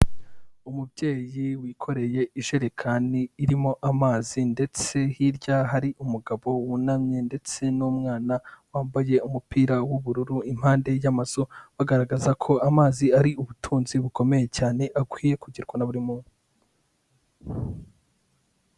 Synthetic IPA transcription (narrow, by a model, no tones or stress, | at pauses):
umubɟe̞ːjiwiːkʰo̞ɾe̞je̞iʒeɾe̞kʰaniːɾimo̞ʔamaːzinde̞t͡se̞hiɾɟaɦaɾiʔumuɡaβo̞wunamɲende̞t͡se̞numŋaːnawaːmbaje̞umupiːɾawuβuɾuɾuim̥haːnde̞jamaz̥oβaɡaɾaɡazakʰo̞amaːziaɾiuβutʰuːnziβuko̞me̞je̞caːne̞ʔakwiːje̞kuɟiɾɡwanaβuɾimu